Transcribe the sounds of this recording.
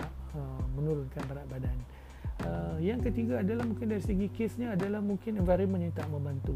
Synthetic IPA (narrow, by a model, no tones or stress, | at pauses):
əmə̃nuɾʊnkanbaɾaʔbadan | əjaŋkət̪iɡaːdalahmũŋkɪndaɾisəɡikesɲaːdalahmuŋkɪnɛnvaɾəmə̃nɲat̪aʔmə̃mbant̪u